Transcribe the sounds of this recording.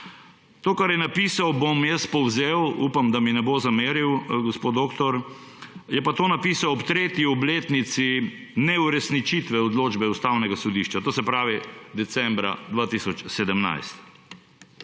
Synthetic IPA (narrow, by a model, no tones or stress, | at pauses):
t̪oːkaɾjɛnapisawbomjɛspɔwzewupamd̪aminɛbozameːɾiwɡospoːd̪okt̪ɔɾ | jɛpat̪oːnapiːsawɔpt̪ɾeːt̪jiɔbleːt̪nit̪si | nɛuɾɛsnit͡ʃit̪ʋɛɔd̪loːd͡ʒbɛust̪awnɛɡasɔd̪iʃt͡ʃat̪oːsɛpɾaːʋid̪ɛt̪sɛmbɾa̰d̪ʋat̪isɔt͡ʃsɛd̪əmna̰jst̪